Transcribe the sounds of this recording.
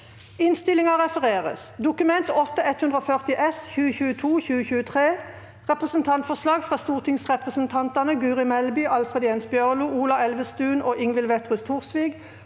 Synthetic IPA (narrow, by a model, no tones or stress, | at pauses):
ɪnst̪ɪlɪŋɑʁɛfəʁeːʁə̰sd̪ʊkʉmɛnt̪ɔt̪ːəɛt̪hʉnd̪ʁoːfœʁt̪ɪʔɛsçʉːəçʉːət̪ʰuːçʉːəçʉːət̪ʰʁeː | ʁɛpʁəsənt̪ʰɑnt̪fɔslɑːɡfʁɑːst̪uːʁt̪ʰɪŋsʁɛpʁəsənt̪ʰɑnt̪ɑnəɡʉːʁɪmɛlbiːʔɑlfʁɛd̪ɪɛnsbjœʁluːuːlɑɛlʋəst̪ʉːnʔoːʔɪŋʋɪlʋɛt̪ʁʉst̪ʰuːʁsʋɪːɡ